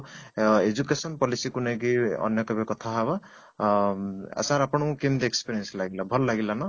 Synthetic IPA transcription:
ed͡ʒukesʌnpɔlisikunʌjkiʌ̰njʌkebekʌt̪ʰaɦaβa | a̰sãɾapñukemd̪ekspeɾijenslaɡilabʱʌllaɡilanʌ

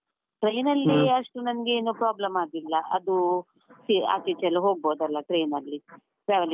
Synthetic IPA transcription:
ʈɾɐjnɐlːiɐʂʈunɐnɐɡeeːnuːpɾaːblɐmaːd̪ilːɐʔɐ̰d̪u | sia̰ːt͡ʃit͡ʃɐlːɐɦoːɡ̚boːd̪ɐlːɐʈɾejnɐlːi | pɾaːʋɐl

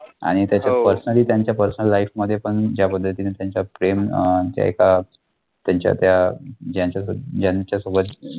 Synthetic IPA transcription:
a̰ɽ̃it̪jat͡ɕjapəɾsənəliːt̪jaɲt͡ɕjapəɾsənəlːaifməd̪ʱːjepəɳd͡ʑjapəd̪ʱːət̪iːnat̪jaɲt͡ɕapɾemt̪ja̰ḛka | t̪jaɲt͡ɕja̰t̪jad͡ʑjaɲt͡ɕjad͡ʑjaɲt͡ɕjasobət̪

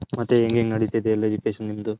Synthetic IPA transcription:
mɐt̪ːeeŋɡeːŋɡnɐɽit̪ɐd̪eɐlːed͡ʒipeːʃɐnnimd̪u

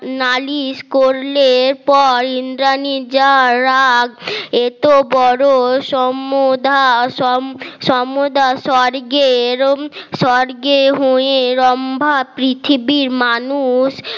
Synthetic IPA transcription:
naliskoɾleɾpɔɾind̪ɾanid͡ʑaɾaɡet̪obɔɾoʃɔmod̪ʱaɔʃɔmod̪ʱaʃɔɾɡeɾʃɔɾɡeɦoeɾɔmbʱapɾit̪ʰibiɾmanuʃ

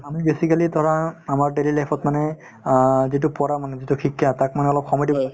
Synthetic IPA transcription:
amibesikalitɔɹaamaɹɖelilajpʰɔtmanɛ | zit̬ʊpɔɹamanɛzituxʰikʰːjatak̚manɛɔlɔp̚xɔmɔjdibɔ

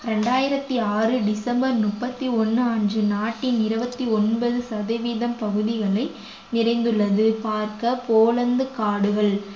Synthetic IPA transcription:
ɾɛɳɖaːjɪɾɐt̪ːiaːrɯɖɪsɐmbɐɾnʊpːɐt̪ːiɔnːɯɐɲd͡ʒɯnaːʈːɪnɪɾɯbɐt̪ːiɔnbɐðɯsɐðɐʋiːðɐmpɐɣɯðɪɣɐɭɐɪ | nɪɾɐɪnd̪ɯɭːɐðɯpaːɾkɐpoːlɐnd̪ɯkaːɽɯɣɐɭ

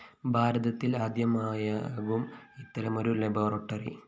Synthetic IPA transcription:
bʱaːɾɐðɐt̪ːilaːd̪jɐmaːjɐʋumit̪ːɐɾɐmo̞ɾuleboːrɐʈːɐrḭ

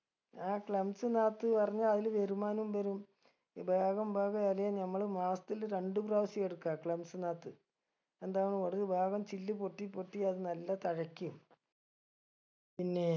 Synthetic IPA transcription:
aːkɭɐmsɨnaːt̪ːɨpɐrɐɲːaːlɐðilbeɾumaːnumʋɐɾum | bʱaːɣɐmbʱaːɣɐɐlɐjanɐmːɐɭmaːsɐt̪ilɾe̞ɳɖupraːʋɐsijeɽukːakɭɐmsɨnaːt̪ːɨ | e̞nd̪aːjɐɳkoɽuðɨbʱaːɣɐmt͡ɕilːɨpoʈːipːoʈːiɐðɨnɐlːɐt̪ɐɻɐkʲːum | pinːe

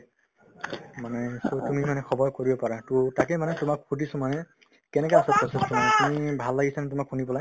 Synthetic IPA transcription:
manɛsotumimanɛkʰɔbɔɹkoɹibɔpaɹatutakemanɛtumak̚hutisɔmanɛ | kɛnɛkaasɔpɔsestɔmanetumibʱalːaɡisʰanɛtʊmakhunipɔlaj

